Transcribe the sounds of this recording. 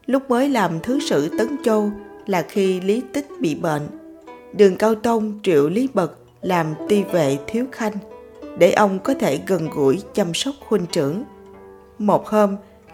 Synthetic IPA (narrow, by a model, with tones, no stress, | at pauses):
lʊ˦˥k͡p̚məː˨˦jlaː˨˩mt̪ʰɨ˨˦sɨ̰˧˨t̪ə˨˦nt͡ɕo˧laː˨˩xi˧li˨˦t̪ï˦˥k̟̚ɓḭ˧˨ɓə̰ː˧˨n | ɗɨ˨˩əŋkaː˧wt̪ə˧wŋ͡mt͡ɕḭ˧˨əwli˨˦ɓə˨˩k̚ | laː˨˩mt̪i˧ve˨˩˨t̪ʰi˨˦əwxa˧jŋ̟ɗe˧˩ʔə˧wŋ͡mkɔ˨˦t̪ʰe˧˩ɣə˨˩nɣṵ˧˩jt͡ɕa˧msə˦˥wk͡p̚xwi˧ŋt͡ɕɨ̰˧˩əŋ | mo˨˩t̚həː˧m